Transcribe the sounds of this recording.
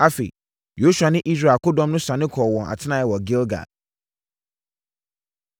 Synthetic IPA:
a˦fḛ˨ | jo˨˦su˨a˨nɪ̃˦ʔi˦s̬ɾa˨kʊ˦dɔ̃˦mnʊ̃˦sã˨nɪ̃˦kʰɔ˨wɔ̃˨ʔa̰˨tʰɪ˦nã˨˦jɛ˨wɔ˨ɡɪ˦lɡa̰˨

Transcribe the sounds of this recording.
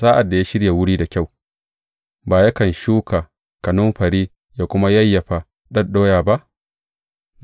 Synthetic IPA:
saː˦ʔa˨dːa˨ja˦ʃɪ˦ɽja˨wʊ˦ɽiː˦da˨kʲa˦˨w | baː˨ja˦kɐ˨nʃuː˦kaː˨ | kɐ˨nʊ˦mɸɐ˨ɾiː˦ | jaː˦kʷʊ˦ma˦jɐ˦jːɐ˨ɸa˨ | ɗɐ˦nɗoː˦jaː˨ba˦ʔ

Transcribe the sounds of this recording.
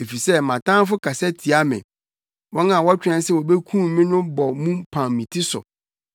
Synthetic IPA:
e˨fi˨sɛ˦mã˨tʰã˦n˦fʊ˦kʰa˨sɛ˦tʰi˨a˦mɪ̰̃˨ | wɔ̃˦nã˨wɔ˦a˦t͡ɕᶣɛ̃˦nsɛ˦˨wɔ˨bɛ˦kʰũ˦mː˨˦ɪ̃˦nʊ̃˦bɔ˨mũ˦mpʰã˨mmĩ˨tʰi˦sɔ̰˨

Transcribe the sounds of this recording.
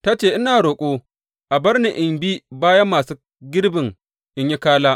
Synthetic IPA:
ta˦t͡ʃeː˦˨ʔɪ˦naː˨ɽoː˨kʷʼoː˦ | ʔa˨bɐ˦ɽni˨ʔɪ˨mbiː˦baː˦jɐ˦mːaː˨suː˦ | ɡʲɪ˦ɽbɪ˨ŋ | ʔɪ˦ɲji˦kaː˦laː˦

